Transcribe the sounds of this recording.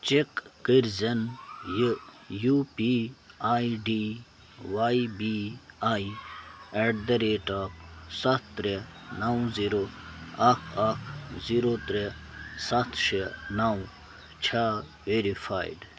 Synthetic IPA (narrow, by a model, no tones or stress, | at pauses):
t͡ʃikːiɾzɐnj | jupiaːiɖi | waːibiaːi | eɖd̪ɐɾeːʈaːp̚sɐt̪t̪ɾenaw̃ziɾoɐkʰakʰziɾot̪ɾesɐt̪ʰʃenaw̃ | t͡ʃʰaː | ʋeɾifaːiɖ